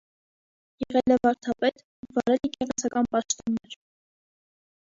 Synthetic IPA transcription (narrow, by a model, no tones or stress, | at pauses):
jɛʁɛlɛvɑɾt̪ʰɑpɛt̪ | vɑɾɛlikɛʁɛt͡sʰɑkɑnpɑʃt̪ɔnːɛɾ